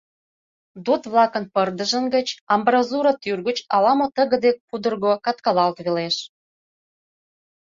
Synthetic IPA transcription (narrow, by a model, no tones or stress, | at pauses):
d̪ot̪βlɑkənpərd̪əʒə̆nɡə̆t͡ɕɑmbrɑzuɾot̪yrɣət͡ɕɑlɑmot̪əɣə̆d̪ek̚pud̪ərɣokɑt̪kɑlɑlt̪βeleʃ